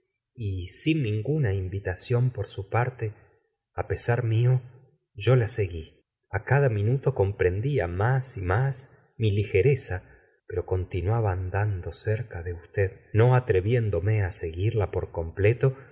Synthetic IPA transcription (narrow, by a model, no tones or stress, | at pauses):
isinːĩŋɡunaimbit̪asjo̞mpo̞ɾsupaɾt̪e | ape̞saɾmio | ʒo̞lase̞ɣi | akaðamĩnut̪o̞ko̞mpɾe̞nd̪iamasimas | milixe̞ɾesa | peɾo̞ko̞nt̪inwaβaːnd̪and̪o̞seɾkaðe̞ust̪eðno̞at̪ɾe̞βje̞nd̪o̞me̞ase̞ɣiɾlapo̞ɾko̞mple̞t̪o̞